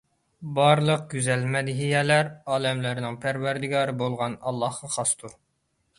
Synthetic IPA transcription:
bɑɾlˠəq̚ɡʲyzɛlmɛd̪ɪɦijɛlæɾɑːlɛmlæɾɪnɪŋpʰæɾwæɾd̪ɪɡɑːɾɨbolˠʁɑnɑlˠːɑhqɑχɑst̪ʰuɾ

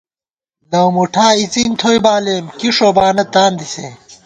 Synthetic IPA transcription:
lɐwmuʈʰaːit͡sint̪ʰojbaːlemkiʂobaːnɐt̪aːnd̪isḛː

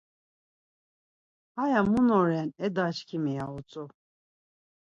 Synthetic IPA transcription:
ajamunɔɾɛnɛd̪aʃkʰimijaut͡sʼu

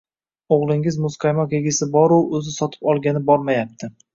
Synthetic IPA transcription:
oʁlˠɪŋɪzmʊsqɑjmɒkeɡʲɪsɪbɒɾʊɵzɪsɒt̪ʰɪ̥pɒlˠɡʲanɪbɒɾmajap̚t̪ʰɪ

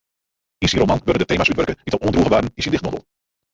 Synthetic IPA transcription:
ɪnsiɾomɑnʋødədətejmasytʋœɹkəʋitɔpuəndruχəʋaːdənɪsindɪχtmɔdə̰lˠ

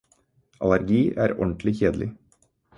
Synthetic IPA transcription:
ʔɑlæɾɡiːʔæːɾɔ̰ɳt̪lɪçeːd̪lɪ̰

